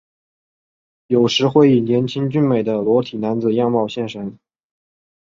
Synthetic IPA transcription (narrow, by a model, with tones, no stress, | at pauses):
jo˨˩ʊʂɻ̩˧˥xwe˥˩ɪi˨˩njɛ˧˥nt͡ɕʰi˥ŋt͡ɕy˥˧nme˨˩ɪd̪ə˦lwɔ˧˥t̪ʰi˨˩na˧˥nd͡zɹ̩˨˩jɑ˥˧ŋmɑ˥˧ʊɕjɛ˥˧˩nʂa˧˥n